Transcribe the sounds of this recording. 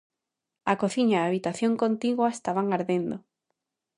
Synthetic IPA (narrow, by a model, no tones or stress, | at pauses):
akoθiɲaaβit̪aθjõŋkont̪iɣwaest̪aβaŋaɾðend̪o